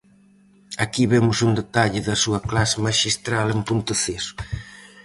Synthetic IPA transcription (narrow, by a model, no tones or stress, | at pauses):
akiβemʊsund̪et̪aʎɪðɐsuɐklasɪmaʃist̪ɾalempunt̪ʊθesʊ̥